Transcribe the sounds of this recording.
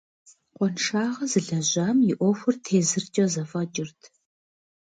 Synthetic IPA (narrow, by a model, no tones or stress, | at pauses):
qʷɔnʂaːʁɐzɨɮɐʑaːmjɪʔʷɔxʷʊrtʰeːzɨrt͡ʃʼɐzɐfɐt͡ʃʼɪrtʰ